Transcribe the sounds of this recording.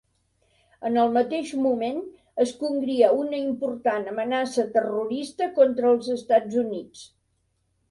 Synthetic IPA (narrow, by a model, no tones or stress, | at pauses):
ənəlˠmət̪eʒmumen | əskuŋɡɾiəunəimpuɾt̪anəmənasət̪əruɾist̪əkɔnt̪ɾəːlˠzəst̪ad͡zunit͡s